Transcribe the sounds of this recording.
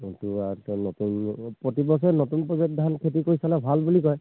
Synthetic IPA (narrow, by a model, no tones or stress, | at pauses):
kintuaɹtnotunpɹɔtibɔs̬ɔnotunpɔbet̚d̪ʱankʰetikoɹisalɛbʱalbulikɔj